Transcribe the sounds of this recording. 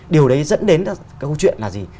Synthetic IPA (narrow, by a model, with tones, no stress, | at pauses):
ɗi˨˩əwɗə˨˦jzə̰˧˥nɗe˨˦n | kaː˨˦ko˨˧˦t͡ɕwḭ˧˨nlaː˨˩zi˨˩